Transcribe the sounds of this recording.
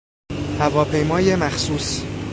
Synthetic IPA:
hævɒːpʰe̞jmɒːjemæxsuːs

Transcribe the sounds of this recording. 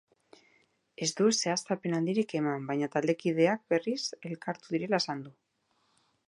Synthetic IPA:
e̞zd̪uese̞ast̪ape̞nand̪iɾike̞mambajɲat̪ald̪e̞kið̞e̞ak̚be̞rise̞lkaɾt̪uðiɾe̞laesand̪u

